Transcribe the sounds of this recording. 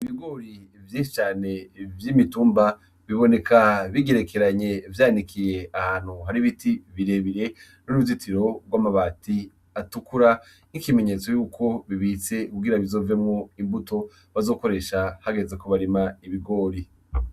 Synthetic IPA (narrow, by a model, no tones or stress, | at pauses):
iβiɡo̞ɾi | vjĩːʃit͡ʃaːne̞vjimituːmba | βiβo̞ne̞kaβiɡe̞ɾe̞ke̞ɾaɲe̞vjaːnikʰije̞ahaːn̥huɦaɾiβitiβiɾe̞βiɾe̞ | nuɾuvzitʰiɾo̞ɡwaːmaβaːtʰi | atukuɾa | nikime̞ɲe̞t͡so̞juːkʰo̞βiβit͡se̞kuɡiɾaβizo̞ːvemŋo̞imbuto̞ | βazo̞ːko̞ɾe̞ʃahaɡe̞zekoβaɾimaiβiɡo̞ːɾi